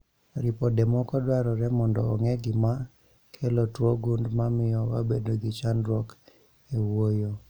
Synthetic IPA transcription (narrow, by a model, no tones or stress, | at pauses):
ɾipɔdemɔkɔdwaɾɔɾɛmɔndɔːŋɛɡɪma | kʰelotwoɡundmamɪjɔwabedoɡɪt͡ʃandɾɔk | ewojo